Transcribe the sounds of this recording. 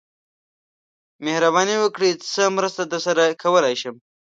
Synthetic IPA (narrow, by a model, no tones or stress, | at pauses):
mehɾabɑːniwəkɽit͡səmɾəst̪ad̪əsɐɾakʰɐwəlaʃəm